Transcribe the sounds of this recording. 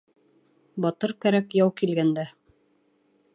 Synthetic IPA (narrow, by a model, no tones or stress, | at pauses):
bɑt̪ɤɾkæɾækjɑwkilɡænd̪æ